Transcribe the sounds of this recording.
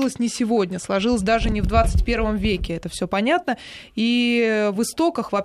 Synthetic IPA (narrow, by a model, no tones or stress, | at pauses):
lˠəsʲnʲɪsʲɪvo̞dʲnʲəslˠɐʐɨlˠəsʲd̪aʐɨnʲɪvd̪vat̪sɨ̥tʲpʲe̞rvəmvʲekʲɪɛt̪əfsʲɵpɐnʲat̪nəivɨst̪o̞kəxvɐp